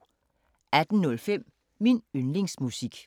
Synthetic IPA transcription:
æd̥n̩nɔ̽lfem̰ | minønle̝ŋsmusiɡ̥

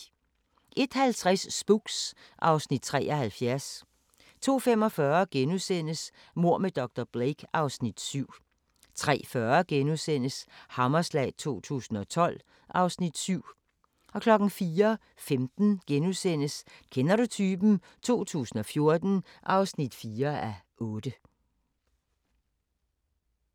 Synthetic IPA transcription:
ʔe̝d̥hælt͡sʰʁasːb̥uɡ̥sʔɑ̈ʊsnid̥̚t͡sʰʁɛ̰ːʔɒ̽hælfjæɐs | t͡sʰo̝̰ːfem̰ɒ̽fɶːɐɡ̥enuðˠsen̰əs | mo̝ɐ̰med̥ɒɡ̥d̥ɐb̥ʁeɡ̥ɑ̈ʊsnid̥syʊ̰ | t͡sʰʁɛ̰ːfɶːɐɡ̥enuðˠsen̰əshɑ̈mɐslɛ̰ɪt͡sʰo̝̰ːt͡sʰṵːsn̩ɒ̽t͡sʰɒ̽l̰ | ʔɑ̈ʊsnid̥syʊ̰ | ɒ̽kʰlɒ̽ɡ̥n̩fiːɐ | femd̥n̩ɡ̥enuðˠsen̰əskʰenɐɾut͡sʰyːb̥n̩ | t͡sʰo̝̰ːt͡sʰṵːsn̩ɒ̽fjo̝ɐd̥n̩ʔɑ̈ʊsnid̥fiːɐæʔɔ̽ːd̥ə

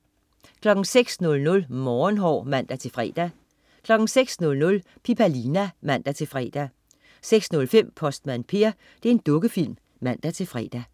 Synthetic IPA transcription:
kʰlɒ̽ɡ̥ŋ̩seɡ̥snɔ̽lnɔ̽lmɒːnɦɒ̰ːmæn̰d̥æt͡sʰe̝fʁɛ̰ːd̥æ | kʰlɒ̽ɡ̥ŋ̩seɡ̥snɔ̽lnɔ̽l | pʰipʰælinæmæn̰d̥æt͡sʰe̝lfʁɛ̰ːd̥æ | seɡ̥snɔ̽lfem̰pʰɒ̽sd̥mænpʰe̝ɐ | d̥e̝ɐe̝nd̥ɔ̽ɡ̥əfil̰m | mæn̰d̥æt͡sʰe̝fʁɛ̰d̥æ

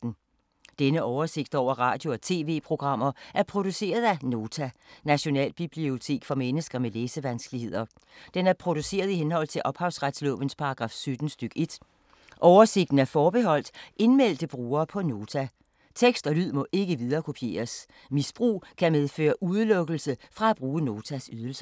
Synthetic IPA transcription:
d̥n̩ | d̥enəʔɒʊɐse̝ɡ̥d̥ɒʊ̰ɐʁɑ̰̈ːd̥jo̝ɒ̽t͡sʰe̝̰ːʋe̝̰ːpʰʁo̝ɡ̥ʁɑ̈m̰ɐʔæɐpʰʁo̝d̥use̝̰ːɐð̞ˠæno̝ːt͡sʰænæɕo̝nɛ̰ːlb̥ib̥lio̝t͡sʰe̝̰ːɡ̥fɒ̽menəsɡ̥ɐmeleːsəʋænsɡ̥lihe̝ð̞̰ˠɐ | d̥enæɐpʰʁo̝d̥use̝̰ːɐð̞ˠiɦenhɒ̽l̰t͡sʰe̝lʔɒ̽b̥hɑ̈ʊsʁad̥slɔ̰ːʋən̩spʰɑ̈ɡ̥ʁɑ̈ːfsød̥n̩sd̥yɡ̥əe̝d̥ | ʔɒʊɐse̝ɡ̥̚d̥n̩æɐfɒːb̥e̝ɦɒ̽l̰d̥ʔe̝nmel̰d̥əb̥ʁuːɐːpʰɒ̽no̝ːt͡sʰæ | t͡sʰeɡ̥sd̥ɒ̽lyð̞̰ˠmɔ̽ʔe̝ɡ̥əʋið̞ˠɐːkʰo̝pʰje̝̰ːɐs | misb̥ʁṵːkʰæmeð̞ˠfø̰ːɐʔuðˠəlɔ̽ɡ̥l̩səfʁɑ̈æb̥ʁuːəno̝ːt͡sʰæsyð̞ˠl̩sɐ̥

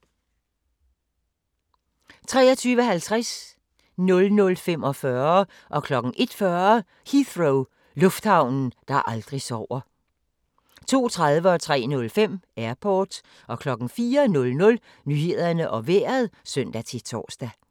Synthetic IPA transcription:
t͡sʰʁɛ̰ːɒ̽t͡sʰyːʋəhælt͡sʰʁas | nɔ̽lnɔ̽lfem̰ɒ̽fɶɐ | ʔɒ̽kʰlɒ̽ɡ̥ŋ̩ʔe̝d̥fɶɐ | hiθʁoʊ | lɔ̽fd̥hɑ̈ʊ̰nn̩d̥ɑ̈ʔɑ̈ld̥ʁisɒʊ̰ɐ | t͡sʰo̝̰ːt͡sʰʁaðˠʋəɒ̽t͡sʰʁɛ̰ːnɔ̽lfem̰æɐpʰɒːd̥ | ʔɒ̽kʰlɒ̽ɡ̥ŋ̩fiːɐnɔ̽lnɔ̽l | nyːhe̝ð̰ˠɐnəʔɒ̽ʋeɐð̞ˠsœn̰d̥æt͡sʰe̝t͡sʰɒ̰ːsd̥æ

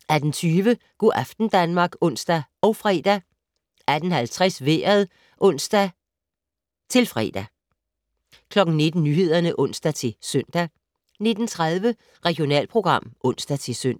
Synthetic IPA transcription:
æɐd̥ent͡sʰyːʋə | ɡ̥uʔæfd̥n̩d̥ænmɑ̈ːɡ̥ɔ̽n̰sd̥æɒ̽ʊfʁɛːd̥æ | æd̥ən̩hælt͡sʰʁasʋeːɐðˠ | ʔɔ̽n̰sd̥æ | t͡sʰe̝lfʁɛ̰ːd̥æ | kʰlɒ̽ɡ̥n̩ne̝d̥n̩ːyɦe̝ð̞̰ˠɐnəʔɔ̽n̰sd̥æt͡sʰe̝sœn̰d̥æ | ne̝d̥n̩t͡sʰʁað̞ˠʋə | ʁɛɡ̥io̝nɛ̰ːlpʰʁo̝ɡ̥ʁɑ̈m̰ʔɔ̽n̰sd̥æt͡sʰe̝søn̰

